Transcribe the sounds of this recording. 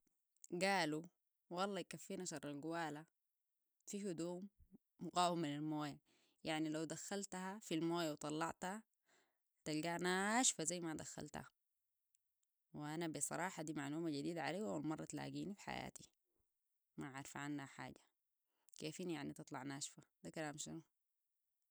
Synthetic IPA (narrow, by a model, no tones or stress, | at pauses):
ɡaːlu | wɑlˤːɑjkafːiːnaʃɑrˤːɑlɡuwaːla | fihud̪uːmː | ʊɡaːwamːinalmoːja | jaʕnilawd̪axːalt̪hafilmoːjawt̪ˤɑlːɑʕt̪ha | t̪alɡaːnaʃfazajːmad̪axːa̰lt̪a̰ | wiʔanabisˤɑ̰ɾˤɑːħad̪iːmaʕluːmaɟad̪iːd̪aʕaleːwawilmɑrˤːɑt̪la̰ːɡiːnifi̥ħa̰ja̰ːt̪i | maʕaɾˤfʕanːaħa̰ːɟḁ | keːfinjaʕnit̪ɨt̪ˤlɑʕnaːʃfad̪akalaaːmʃinu